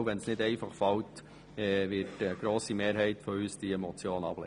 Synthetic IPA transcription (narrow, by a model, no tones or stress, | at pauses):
ʋɛnsnɪdɛɪfɑχfɑwt | ɛʋɪtəɡ̥ɾoːsimeːɾɦɛɪtfɔyːsd̥iɛmɔt͡sjoːnɑ̰b̥lɛ